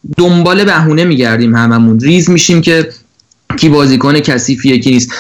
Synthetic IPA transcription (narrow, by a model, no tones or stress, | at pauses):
d̪ombɒːle̞bæɦuːne̞miːɟæɾd̪iːmhæmæmunɾiːzmiːʃiːmcʰe̞ | cʰiːbɒːziːkʰɔːnecʰæsiːfijecʰiːniːst̪